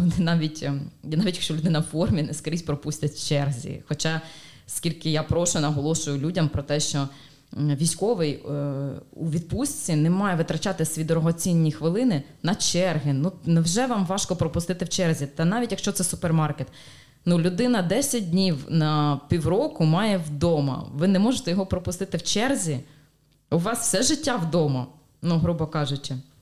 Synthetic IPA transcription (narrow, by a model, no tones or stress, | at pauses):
nɛnɑʋʲitʲnɑʋʲtʲjɐkʃt͡ʃɔlʲʊd̪ɪnɐwfɔrmʲinɛskɐɾʲisʲpɾɔpusʲtʲɐtʲt͡ʃɛrzʲḭxɔt͡ʃɑ | skʲilʲkɪjapɾɔʃʊnɐɦɔlˠɔʃʊjʊlʲudʲɐmpɾɔt̪ɛʃt͡ʃɔ | ʋʲijsʲkɔʋɪj | uʋʲid̪̚pusʲt͡sʲinɛmɑjɛʋɪt̪ɾɐt͡ʃat̪ɪsʲʋʲid̪ɔɾɔɦɔt͡sʲinʲːixʋɪlˠɪnɪnɐt͡ʃɛrɦɪnunɛwʒɛʋɑmʋɑʃkɔpɾɔpʊst̪ɪt̪ɪwt͡ʃɛrzʲit̪ɐnɑʋʲitʲjɐkʃt͡ʃɔt̪sɛsʊpermɑrket̪ | nulʲʊd̪ɪnɐd̪ɛsʲɐt̚ʲdʲnʲiwnɐpʲiwɾɔkʊmɑjɛwd̪ɔmɐ̰ʋɪnɛmɔʒɪt̪ɛjɔɦɔpɾɔpʊst̪ɪt̪ɪwt͡ʃɛrzʲi | ʊʋɑsfsɛʒɪtʲːawd̪ɔmɐ | nuɦɾubɔkɑʒʊt͡ʃɪ